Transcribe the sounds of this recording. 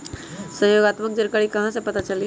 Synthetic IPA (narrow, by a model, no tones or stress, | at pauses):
səɦjoːɡaːt̪mək̚d͡ʒəɾkəɾikɐɦãsepɐt̪at͡ʃəli